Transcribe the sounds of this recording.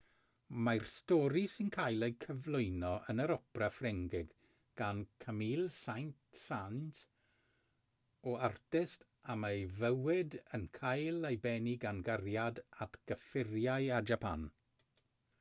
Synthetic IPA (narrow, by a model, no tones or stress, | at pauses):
marstɔːɾisɪnkʰajlˠejkʰəvlˠʊɨnɔʔənəɾɔprafrɛŋɡɪɡ | ɡ̥ankʰamiːlˠsajntsanz | ɔartɪst | amejvəwɪdənkʰajlˠejbɛniɡanɡarjadatʰɡ̥əfɪrjaɨad͡ʒapʰa̰n